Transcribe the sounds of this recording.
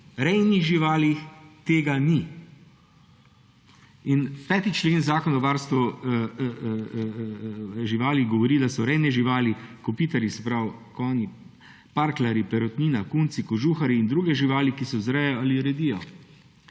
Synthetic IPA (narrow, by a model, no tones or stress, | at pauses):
ɾɛjniɣʒiʋaːlixt̪eːɡani | inpɛːt̪it͡ʃleːnzaːkɔnaʋaːɾst̪ʋu | ʒiʋaːliɣɡɔʋɔɾiːd̪asɔɾɛjnɛʒiʋaːlikɔpiːt̪aɾjisɛpɾawkɔːni | paːɾklaɾipɛɾɔt̪niːnakuːnt̪sikɔʒuːxaɾiːnd̪ɾuːɡɛʒiʋaːlikisɔzɾɛjɔaliɾɛd̪iːjɔ